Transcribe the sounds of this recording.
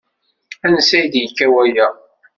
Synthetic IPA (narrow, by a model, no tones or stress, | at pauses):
ænəsæjd̪jəkːæwæjæ